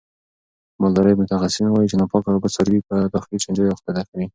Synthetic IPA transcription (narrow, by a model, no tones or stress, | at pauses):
mɑld̪ɑɾəjmʊt̪axasinawɑjit͡ʃenɑpɑkabasaɾwipəd̪ɑxɪlit͡ʃand͡ʒɑjaxt̪ad̪akawi